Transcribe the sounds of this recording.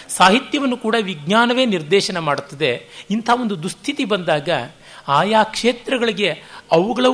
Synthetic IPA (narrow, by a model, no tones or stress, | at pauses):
saːɦit̪jɐʋɐnːukuːɽɐʋiɡnaːnɐʋe̞ːniɾd̪ɛːʃɐnɐmaːɽut̪ːɐd̪e̞int̪ʰɐɦɐo̞nd̪ud̪ust̪ʰit̪ibɐnd̪aːɡɐ | aːjaːkʂeːt̪ɾɐɡɐɭiɡe̞ɐʋuɡɐɭɐ